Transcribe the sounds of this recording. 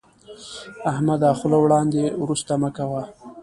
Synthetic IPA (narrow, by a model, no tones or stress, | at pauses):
ahmad̪ɑxʊlowɽɑnd̪ewɾust̪aməkawa